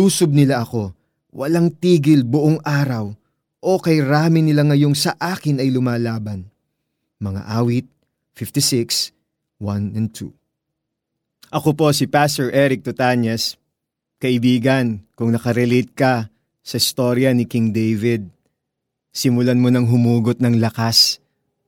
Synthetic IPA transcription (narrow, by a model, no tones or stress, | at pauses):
uːsob̚nɪlaʔɐko̞ | wʔɐ̰laŋt̪iːɡɪlbʊʔoŋʔaːɾɐw | ʔo̞kɐjɾaːmɪnɪlaŋɐjo̞ŋsɐʔaːkɪnɐjlʊmaːlaːbɐn | mɐŋa̰ʔaːwɪt̪̚ | fɪft̪isɪks | wɐnɛnt̪ʰṵ | ʔɐkopo̞sɪpast̪ɛɹʔɛɾɪk̚t̪ot̪aɲɛs | kɐʔɪbiːɡɐnkʊŋnɐkɐɾɛlejt̪̚kɐ | sɐʔɪst̪o̞ɾjɐnɪkɪŋd̪ejvɪd̪̚ | sɪmʊlanmonɐŋɦʊmuːɡot̪̚nɐŋlɐkas